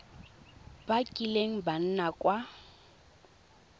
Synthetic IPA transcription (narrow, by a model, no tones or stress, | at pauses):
bakʼileŋ̩ban̩nakʼwa